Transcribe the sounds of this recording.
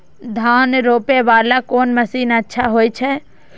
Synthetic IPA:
d̪ʱaːnɾoːpeʋaːlakoːnməsiːnətːʃʰaɦoːit͡ʃʰɛ

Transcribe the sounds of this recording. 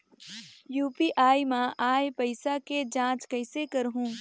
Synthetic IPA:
juːpiʔaːimãʔaːjpɐɪsaked͡ʒãːt͡ʃkɐɪsekɐɾɦũː

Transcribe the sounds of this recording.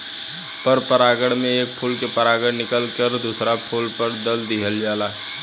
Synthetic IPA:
pəɾpəɾaːɡəɽmẽeːk̚pʰuːlkepəɾaːɡəɽnɪkəlkəɾd̪uːsɾapʰuːlpəɾd̪əld̪ɪɦəld͡ʒaːlaː

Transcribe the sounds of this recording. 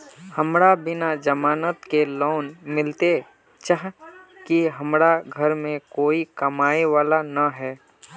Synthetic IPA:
həmɾabɪnad͡ʒəmaːnət̪keloːnmɪlt̪e | t͡ʃaɦkiɦɐmɾaɡʱəɾmẽkoːikɐmaːeʋaːlanaɦɛː

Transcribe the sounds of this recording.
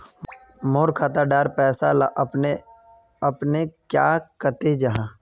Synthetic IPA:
moːɾkʰaːt̪aɖaːɾpɛːsalaʔne | əpnekja̰ːkət̪ed͡ʒaɦãː

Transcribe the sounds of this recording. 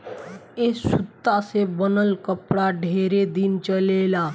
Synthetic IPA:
esʊt̪ːasebənəlkəpɽaɖʱeːɾed̪int͡ʃəlela

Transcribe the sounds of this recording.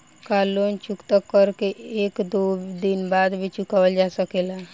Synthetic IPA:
kaːlont͡ʃukt̪əkːəɾkeʔeːkd̪od̪inbaːd̪bʱit͡ʃukawəld͡ʒasəkela

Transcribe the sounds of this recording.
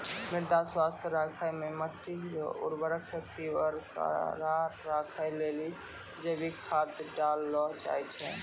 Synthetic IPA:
miɾd̪aswast̪ʰəɾakʰajmeməʈːiṵɾbəɾəkʰsəkt̪iwəɾka̰ɾaɾakʰəjleli | d͡ʒəbikkʰat̪ɖalːɔɦt͡ʃa̰jt͡ʃʰɛ

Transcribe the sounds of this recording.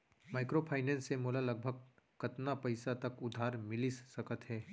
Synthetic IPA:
maːɪkɾopʰaːɪnɛ̃ːnsːemoːlalɐɡ̚bʱəɡ̚kɐt̪napɐɪsat̪ɐkʊd̪ʱaːɾmɪlissɐkət̪ɦɛː

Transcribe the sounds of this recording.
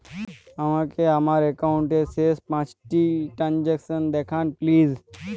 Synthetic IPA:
əʋ̤ãkeəmaːɾekaʊɳʈeseːspãt͡ʃʈiʈɾãnd͡ʒeksənd̪eːkʰãːnpliːz

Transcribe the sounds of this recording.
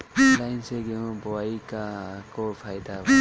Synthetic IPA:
lajnseɡembɔwajkakɔɾpʰajd̪a

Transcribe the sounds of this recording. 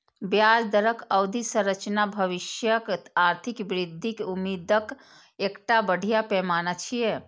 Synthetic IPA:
bjad͡ʒd̪əɾəkʰəwd̪ʱisə̃ɾət͡ʃnabʱəʋiʃjəkaɾt̪ʰikbɾid̪ʱːikeumid̪ək | ekʈabəɽ̤ʱijapɛmanat͡ʃʰije

